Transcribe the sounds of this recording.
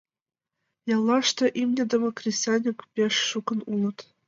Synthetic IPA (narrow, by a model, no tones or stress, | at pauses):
jɑlˠːɑʂt̪ɤ̆ʔimnʲɘ̆d̪ɤ̆mɤ̆krʲisʲɑnʲikpʲeʂːukɤ̆nulˠɤ̆t̪